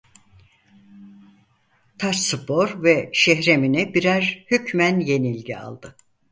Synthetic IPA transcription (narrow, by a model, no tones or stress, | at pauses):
t̪ʰaʃsɯpʰo̞ɾvɛʃɛçɾe̞minibiɾæɾhycmænje̞nilʲɟia̰lˠd̪̥ɯ